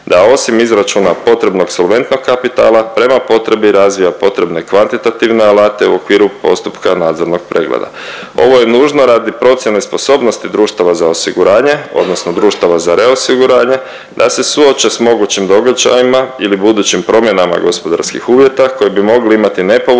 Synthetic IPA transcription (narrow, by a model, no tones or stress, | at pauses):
d̪ao̞simizɾat͡ʃunapo̞t̪ɾe̞bno̞ɡso̞lʋe̞nt̪no̞ɡkːapit̪a̰ːlˠapɾe̞mapo̞t̪ɾe̞biɾazʋijapo̞t̪ɾe̞bne̞kʋant̪it̪at̪iʋne̞alaːt̪e̞uo̞kʋiːɾupo̞̰st̪u̥pkanaːd̪zo̞ɾno̞ɡpɾʔḛːɡlḛd̪a̰ | o̞̰ʋo̞je̞nuːʒno̞ɾaːd̪ipɾo̞t̪sjenespo̞so̞ːbno̞st̪id̪ɾuːʃt̪aʋazao̞siɡuɾaːɲe̞o̞̰d̪no̞sno̞d̪ɾuːʃt̪aʋazaɾʔe̞osiɡuɾaːɲe̞ | d̪ase̞suo̞t͡ʃe̞smo̞ɡut͡ɕimd̪o̞ɡad͡ʒa̰jimailibud̪uːt͡ɕimpɾo̞mje̞nama̰ɡo̞spo̞d̪a̰ɾskḭxuːʋje̞t̪ako̞jebimo̞ɡliimat̪ine̞po